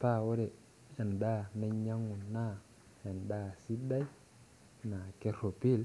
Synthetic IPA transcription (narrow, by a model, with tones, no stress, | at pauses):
ta˦wo˦ɾɛ˨ | a˨nda˦na˦ɲa˦ŋu˨nːa˦ | a˨nda˦si˦da˦j | na˨ke˦ɾo˨pi˦l